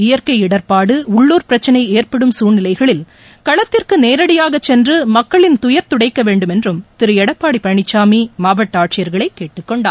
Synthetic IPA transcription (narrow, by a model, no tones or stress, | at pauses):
ɪjɐɾkɐɪɪɽɐɾpaːɽɯʊɭːuːɾpɪɾɐt͡ʃːɐnɐɪeːrpɐɽɯmsuːnɪlɐɪɣɐɭɪl | kɐɭɐt̪ːɪrkɯneːɾɐɽɪjaːɣɐt͡ʃːɛndrɯmɐkːɐɭɪnt̪ʊjɐɾt̪ʊɽɐɪkːɐʋeːɳɖɯmɛndrɯmt̪ɪɾɯɛɽɐpːaːɽipɐɳɪt͡ʃːaːmimaːʋɐʈːaːʈt͡ʃɪjɐɾɣɐɭɐɪkːeːʈːɯkːɔɳɖa̰ː